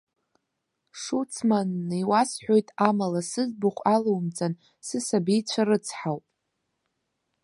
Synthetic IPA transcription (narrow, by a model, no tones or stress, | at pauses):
ʂut͡sʰmanːɨwasħʷᶣo̞jtʼamalasɨzbuχʷʼalowmt͡sʼan | sɨsabijt͡ɕʷʰaɾɨt͡sʰħawpʼ